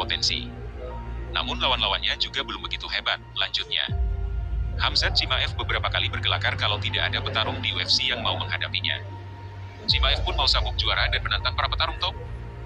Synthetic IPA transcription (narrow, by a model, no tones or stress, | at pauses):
ot̪ɛnsḭ | na̰mʊnlawanlawanɲad͡ʒuɡabəlʊmbəɡit̪uɦebat̪̚laɲd͡ʒʊt̪̚ɲa̰ | hamsat̪̚t͡ʃimaʔɛfbəbəɾapakalibərɡəlakarkalawt̪idaʔadapət̪aɾʊŋdiuɛfsijaŋmauməŋɦadapiɲa̰ | t͡ʃimaɛfpʊnmausabʊk̚d͡ʒuaɾadanmənant̪aŋpaɾapət̪aɾʊŋt̪ɔ